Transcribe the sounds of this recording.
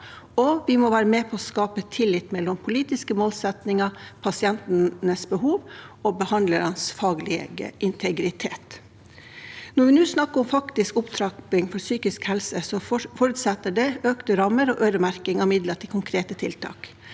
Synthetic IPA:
ɔʋɪmɔʋæːɾəmeːpʰɔɔskɑːpət̪ʰɪlɪt̪mɛlːɔmpʰʊliːt̪ɪskəmoːlsɛt̪nɪŋɑpʰɑsɪɛnt̪nnəsbəɦuːʋɔbəhɑnd̪ləɾɑnsfɑːɡlɪɡə̰ʔɪnt̪ʰɛɡɾɪt̪ʰeːt̪ | nɔɾʋɪnʉːsnɑkːəɾɔmfɑkt̪ɪskʊpt̪ʰɾɑkɪŋfɔɾsyːkɪskhɛlsəsɔfɔɾʉːt̪sɛt̪ːəɖɛøːkt̪əɾɑmːəɾɔʔøːɾəmæɾkɪŋɑmɪd̪ləʈ̪ʰɪlkʰʊŋkʰɾeːt̪ət̪ʰɪlt̪ʰɑ̰ːk

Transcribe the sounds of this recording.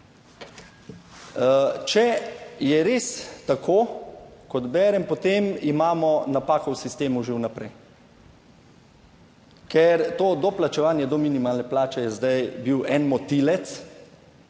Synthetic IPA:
t͡ʃɛjɛɾeːst̪akʰoːkɔd̪bɛːɾɛmpɔt̪emimaːmɔnapaːkɔwsist̪eːmuʒewnapɾɛj | kɛɾt̪oːd̪ɔplat͡ʃɛʋaːnjɛd̪ɔminimaːlnɛplaːt͡ʃɛjɛzd̪ajbiwɛnmɔt̪ilɛt̪s

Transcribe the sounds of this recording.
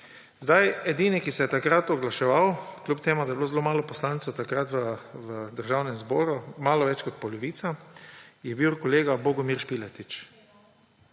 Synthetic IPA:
zd̪ajɛd̪iːnikisɛjɛt̪akɾat̪ɔɡlaʃɛʋawklʲupt̪eːmud̪ajɛbloːzɛloːmaːlɔpɔslaːnt̪sowt̪akɾat̪ʋəʋəd̪əɾʒawnɛmzbɔːɾumaːlɔʋɛt͡ʃkɔt̪̚pɔlɔʋiːt̪sa | jɛbiwkɔleːɡabɔɡɔmiɾʃpilɛt̪it͡ʃ

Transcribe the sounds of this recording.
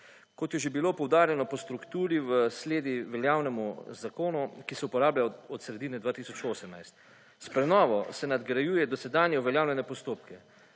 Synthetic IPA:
kɔt̪jɛʒebilopɔwd̪aːɾjɛnɔpɔst̪ɾukt̪uːɾiʋəsleːd̪iʋɛljaːwnɛmuzakoːnukisɛupɔɾaːbljaɔt̪sɾɛd̪inɛd̪ʋaːt̪iːsɔt͡ʃoːsɛmnajst̪ | spɾɛnɔːʋɔsɛnad̪ɡɾajuːjɛd̪ɔsɛd̪aːnjɛuʋɛljaːwlʲɛnɛpɔst̪oːpkɛ

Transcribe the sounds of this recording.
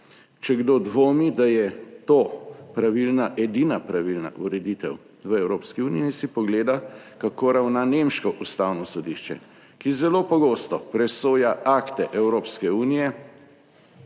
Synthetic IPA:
t͡ʃɛɡd̪od̪ʋoːmid̪ajɛt̪oːpɾaʋilnaʔɛd̪inapɾaʋilna̰ʔuɾɛd̪it̪ɛw | ʋəɛwɾoːpskiuːniɛsipɔɡleːd̪akakoɾawnanemʃkɔʔust̪awnɔsɔd̪iʃt͡ʃɛ̰ | kizɛloːpɔɡost̪ɔpɾɛsoːjaʔakt̪ɛʔɛwɾoːpskɛuːnijɛ

